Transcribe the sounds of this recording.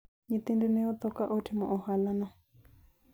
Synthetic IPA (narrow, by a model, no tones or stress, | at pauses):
ɲĩt̪ĩndinẽot̪okaʔotʰimõʔohalanã